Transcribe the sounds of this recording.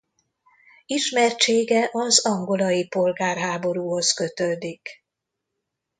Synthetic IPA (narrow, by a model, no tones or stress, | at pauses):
iʃmɛrt͡ʃeːɡɛʔɒzɒŋɡo̞lɒjipo̞lɡaːrɦaːbo̞ɾuːɦo̞skø̞t̪ød̪ik